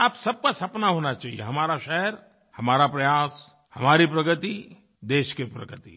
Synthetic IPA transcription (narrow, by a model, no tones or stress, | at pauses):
aːpsɐb̚kasɐpnaɦoːnat͡ʃaːɦḭjḛɦɐmaːɾaʃɛɦəɾ | hɐmaːɾapɾɐjaːs | hɐmaːɾipɾɐɡət̪i | d̪eːʃkepɾɐ̰ɡət̪ḭ